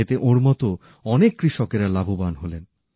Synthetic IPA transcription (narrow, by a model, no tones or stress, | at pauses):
et̪eʔoɾmɔt̪o | ɔnekːɾiʃɔkeɾalabʱubanɦolen